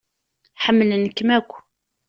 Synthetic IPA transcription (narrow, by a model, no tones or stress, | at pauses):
ħəmːəlnəkːmækʷː